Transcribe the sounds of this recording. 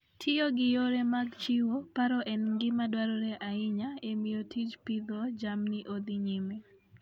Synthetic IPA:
tʰɪjoɡɪjoɾemaɡt͡ʃiwopaɾɔʔɛnɡɪmadwaɾɔɾeʔaɪɲaemɪjotʰid͡ʒpid̪ɔd͡ʒamnɪʔod̪ɪɲime

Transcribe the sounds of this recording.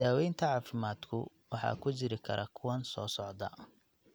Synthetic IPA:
daːwɛjnt̪ʰɐʕɑːfɪmaːd̪kʰʊ | wɑħɑ̰ːkʰʊt͡ʃɪɾɪkʰɐ̰ɾʔɐkʰʊwɐnsɔːsɔʕd̪ɐ

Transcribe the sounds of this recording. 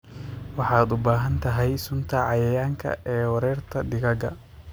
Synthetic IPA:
wɑħɑːd̪ʊbaːɦɐnt̪ʰɐɦɛjsʊnt̪ʰɐʕɑjɐjaːŋkʰɐ̰ʔɛːwɐɾɛːrt̪ʰɐɖɪɣɐɡɐ̰

